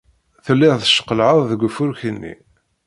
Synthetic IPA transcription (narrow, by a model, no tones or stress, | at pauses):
θəlːɪʁθəʃə̥qəlʕəðˤðəɡʷfʊɾçənːḭ